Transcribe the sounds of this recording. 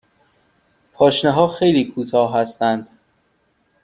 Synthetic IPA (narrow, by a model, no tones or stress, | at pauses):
pʰɒːʃneɦɒːxejliːkʰuːt̪ʰɒːɦæst̪ænd̪̥